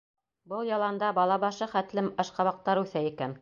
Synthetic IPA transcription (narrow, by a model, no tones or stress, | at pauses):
bɤlˠjɑlˠɑnd̪ɑbɑlˠɑβɑʃɤχæt̪lɘmɑʃqɑβɑq̚t̪ɑɾʉθæikæn